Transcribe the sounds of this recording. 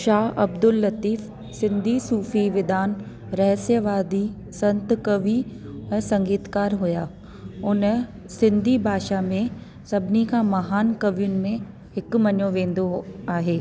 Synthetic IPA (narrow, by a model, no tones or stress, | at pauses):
ʃaːɦɐbd̪ʊlːɐt̪iːf | sɪ̃nd̪ʱisuːfiʋɪd̪aːn | ɾɛɦsjəʋaːd̪i | sɐ̃nt̪kɐʋiɛ̃ːsɐ̃ŋɡiːt̪kaːɾɦʊjaː | ʊn | sɪ̃nd̪ʱibʱaːʃamẽ | sɐbʱnikamɐɦaːnkɐʋijʊnɪ̆mẽ | ɦɪkmɐɲõʋẽːnd̪oaːɦeː